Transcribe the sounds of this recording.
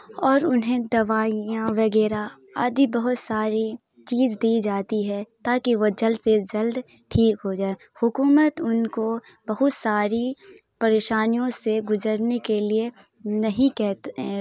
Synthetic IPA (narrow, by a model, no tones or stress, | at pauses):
ɔːɾʊnɦẽd̪ɐʋaːijãʋɐɡɛːɾa | a̰ːd̪ibɐɦʊt̪saːɾi | t͡ʃiːzd̪iːd͡ʒaːt̪iɦɛt̪aːkiʋod͡ʒɐlsed͡ʒɐld̪ | ʈʰiːkɦod͡ʒaːe | hʊkuːmət̪ʊnko | bɐɦʊt̪saːɾi | pɐɾeːʃaːnijõseɡʊzəɾnekelie | nɐɦĩkɛɦt̪